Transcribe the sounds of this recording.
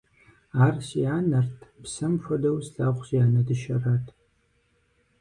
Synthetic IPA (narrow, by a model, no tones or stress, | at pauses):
aːrsijaːnɐrtʰpsɐmfɐdɐwsɬaːʁʷɕijaːnɐdɨʃɐraːtʰ